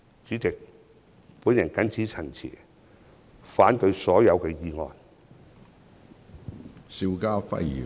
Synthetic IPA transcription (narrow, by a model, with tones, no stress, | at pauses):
t͡ʃyː˨˥t͡sɪ˨k̚ | puː˨˥njɐ˨˩nkɐ˨˥nt͡sʰiː˨˥t͡sʰɐ˨˩nt͡sʰḭː˨˩ | faː˨˥nt̪ɵ˧ɥsɔː˨˥jɐ˨˧wkɛː˧jiː˧ŋɔ̰ː˨˧n | si˧wkaː˥fɐ̰˥jjḭː˨˩